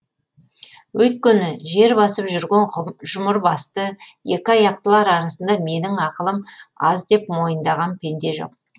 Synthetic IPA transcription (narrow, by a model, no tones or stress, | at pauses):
wɵt̪̚kʲenɪʒe̞ɾbɑsəpʒʏɾɡʲenʒʊməɾbɑst̪əje̞kʲɪɑjɑq̚t̪əlˠɑɾɑɾɑsənd̪ɑme̞nɪŋɑqəlˠəmɑ̰zd̪e̞pmo̞jənd̪ɑʁɑnpʰʲe̞nd̪e̞ʒo̞̰q̚